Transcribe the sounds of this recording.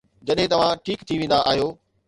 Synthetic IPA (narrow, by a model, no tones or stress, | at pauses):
d͡ʑɐɗɦɪ̃t̪ɐʋ̤ãʈʰiːkt̪ʰiʋẽːnd̪aʔaːɦijoː